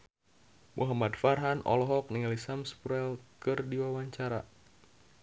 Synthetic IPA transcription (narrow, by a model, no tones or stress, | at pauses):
mʔṵɦamadfarɦanʔɔ̰lɔɦɔk̚niŋalisamspuɾɛlkɨrdiwawaɲt͡ʃaɾa̰